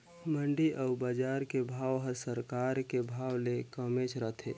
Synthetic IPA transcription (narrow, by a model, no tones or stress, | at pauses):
məɳɖiʔəʊbəd͡ʒaɾkebʱaːwɦə̃səɾkaɾkebʱawlekəmet͡ʃʰɾət̪ʰḛ